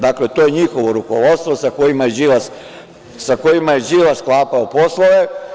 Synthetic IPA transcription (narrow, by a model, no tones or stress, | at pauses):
d̪aklet̪ojeɲixoʋo̞ɾukoʋo̞t̪st̪ʋo̞sakojimajeʒilas | sakojimajeʒilasklˠaːpaoposlˠoʋe